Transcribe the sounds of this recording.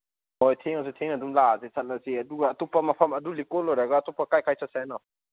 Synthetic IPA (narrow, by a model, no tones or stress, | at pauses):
ɔjtʰeŋas̬itʰeŋadumlazisʰat̚lasiɐduɡaːtupamapʰɐmɐdulikolːojɾaɡaːtupːakajkʰajsʰat̚sanɔ